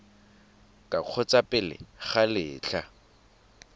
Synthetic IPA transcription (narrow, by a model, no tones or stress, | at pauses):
kʼaq͡χʰɔt͡sʼapʼɪlɪ̰χalɪːt͡ɬʰa